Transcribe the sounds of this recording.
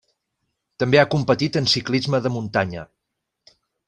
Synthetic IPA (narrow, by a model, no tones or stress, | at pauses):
t̪əmbeakumpət̪it̪ənsiklizməðəmunt̪aɲə